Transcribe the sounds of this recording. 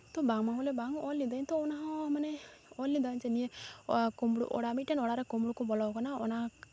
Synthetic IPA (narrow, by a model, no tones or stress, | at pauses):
t̪ɔbaŋmaɔlɛbaŋɔlːid̪aɲt̪ɔɔnaɦɔ̃manɛɔlːid̪aɲt͡ʃɛniɛkɔmɽṵʔɔ̰ɽamit̪̚ʈɛnɔɽaɾɛkɔmɽukɔbɔlɔkɔnaɔna